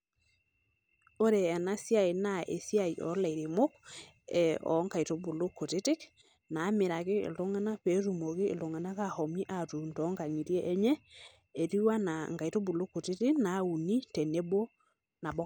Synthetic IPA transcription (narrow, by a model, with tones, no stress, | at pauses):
o˦ɾe˨ɛ˨na˦sja˦˨i˨na˦ḛ˨sja˨i˨ʔɔ̰˨˦la˨ɾe˨mo˦k | ɛ˨ɔ̰˨˦ŋka˨i˨to˦bu˨lo˦kːo˨te˦tɪ˦k | na˨˦mɪ˨ɾa˨kɪ̰ː˦˨lo˦ŋa˦na˦pe˨˦ɾu˨mo˨kḛː˦˨lo˨ŋa˨na˦ka˦hɔ˨mi˦ʔa˨tu˨ntɔ˨˦ŋɡa˨ŋi˨ɾjɛ˦ʔɛ˦ɲɛ˦ | e˨ɾi˦wa˦na˨ŋɡa˨i˨to˦bu˨lo˦ko˨tɪ˦tɪ˦kna˨˦u˨ni˦tɛ˨ne˦bo˦ | na˨bɔ˦